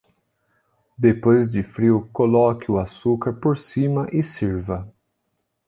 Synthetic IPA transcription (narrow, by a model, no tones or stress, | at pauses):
d̪epojzd͡ʒɪfɾiwkolɔkɪʊasukaɾpoɾsimɐʔɪsiɾvɐ